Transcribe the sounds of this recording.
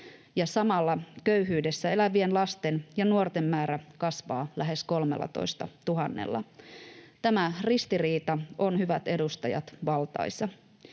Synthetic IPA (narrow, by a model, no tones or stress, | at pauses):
jɑsɑmɑlːɑkø̞yɦyːde̞sːæe̞læʋie̞nlɑst̪e̞njɑnuort̪e̞mːæːɾækɑsʋɑːlæɦe̞sko̞lmelːɑ̰t̪o̰jst̪ɑt̪uɦɑnːḛlːɑ̰ | t̪æmærist̪iriːt̪ɑo̞nhyʋæt̪e̞dust̪ɑjɑ̰t̪ʋɑlt̪ɑ̰jsːɑ